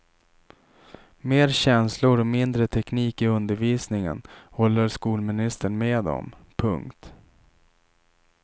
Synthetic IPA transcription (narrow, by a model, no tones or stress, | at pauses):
meːɾɕɛnslʊɾɔmɪnd̪ɾət̪ʰɛkniːkɪɵnd̪əɾviːsnɪŋə̰nhɔlːəɾʂkuːlmɪnɪst̪əɳmeːd̪ɔ̰m | pʰɵ̰ŋkt̪